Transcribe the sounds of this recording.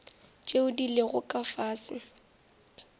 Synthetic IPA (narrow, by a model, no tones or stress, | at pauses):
t͡ʃʼeʊdileɣʊkʼafaːsɪ